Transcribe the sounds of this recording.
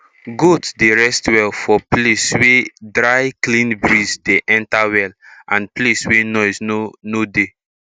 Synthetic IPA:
ɡotdeɹɛstwɛlfɔpleswedɹajklĩnbɹizdeʔɛ̃ntawɛlãnpleswenɔɪsnode

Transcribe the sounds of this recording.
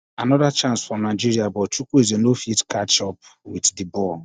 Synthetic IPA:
anɔdat͡ʃãnsfɔ̃mnaɪd͡ʒiɾiabɔt͡ʃukuezenofitkat͡ʃɔpwiddibɔ

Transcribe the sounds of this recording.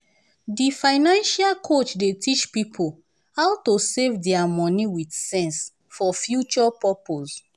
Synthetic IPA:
difaɪnãnʃalkʰot͡ʃdetʰit͡ʃpipʰol | hawtosevdɛamɔ̃niwidsɛ̃ns | fɔfjut͡ʃɔpapos

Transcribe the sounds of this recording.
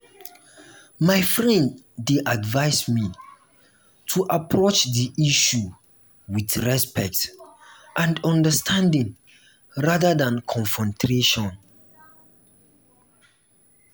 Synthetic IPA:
majfɹɛ̃ndː | eʔadvaɪsmi | tʰuʔapʰɹot͡ʃdiʔiʃu | widɹɛspɛk̚t | ʔãndɔ̃ndəstʰãndĩŋ | ɹadədãnkʰɔ̃nfɔ̃ntʰɾeʃɔ̃n

